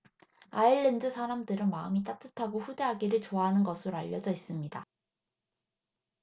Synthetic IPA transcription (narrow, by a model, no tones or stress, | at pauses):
aiɭːendɯsʰaɾamdɯɾɯnmaɯmit͈atʰɯtʰaɡoɸude̞ɦaɡiɾɯɭt͡ɕoaɦanɯnɡʌsʰɯɾoaʎːʌd͡ʑʌis͈ɯmɲida